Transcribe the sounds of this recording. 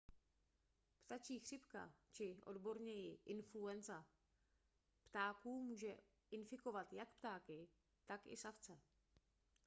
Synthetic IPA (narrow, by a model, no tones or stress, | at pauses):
pt̪at͡ʃiːxr̝̥ɪpka̰t͡ʃɪʔo̞̰dbo̞ɾɲɛjɪʔɪnfluɛnza | pt̪aːkuːmuːʒɛ̰ | ʔɪnfɪko̞vat̪jakpt̪aːkɪ | t̪akʔɪ̰saft͡sɛ